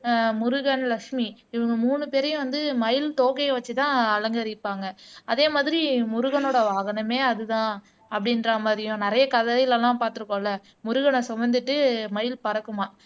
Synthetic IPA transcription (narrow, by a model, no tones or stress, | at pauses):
mʊɾʊɣɐɳlɐkʂmiɪʋɐŋɡɐmuːnɯpeːɾɐjʊ̃ʋɐnd̪ɯmɐjɪlt̪oːɣɐʋɐt͡ʃːɯt̪ãːɐlɐŋɡɐɾɪpːaːŋɡɐɐðeːmaːðɪɾimʊɾʊɣɐnoːɽɐʋaːɣɐnɐmeːɐðɯt̪ãː | ɐpːɐɽɪnɾɐmaːd̪ɾɪjʊ̃nɪɾɐjɐkɐðɐjɪlɛlːãːpaːɾt̪ɯɾɯkːõːlːɐ | mʊɾʊɣɐɳɐsɔʋɐnd̪ɯʈːɯmɐjɪlpɐɾɐkːɯmaː